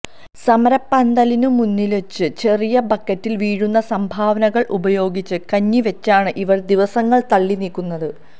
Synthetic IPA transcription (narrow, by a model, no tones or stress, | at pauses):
sɐmɐɾɐpːand̪ɐlinumunːilet͡ɕːɨt͡ɕe̞rijɐbɐkːɐtːilʋiːɻunːɐsɐmbʱaːʋɐnɐɣɐɭʔubɐjo̞ːɡit͡ɕːɨkɐɲːiʋet͡ɕːaːɳɨʔiʋɐrd̪iʋɐsɐŋːɐɭt̪ɐɭːiniːlkːunːɐðɨ